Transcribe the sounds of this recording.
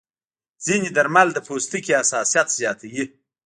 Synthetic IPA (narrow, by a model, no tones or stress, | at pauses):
z̥inid̪aɾmald̪əpʰost̪ikiasɑsijat̪z̥jɑt̪ʰawi